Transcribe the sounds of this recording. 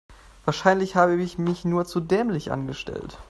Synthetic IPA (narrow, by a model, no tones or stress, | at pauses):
vaːɐʃaɪnlɪçhaːbəɪçmɪçnuːɐt͡sudɛːmlɪçʔa̰nɡəʃtɛ̰lt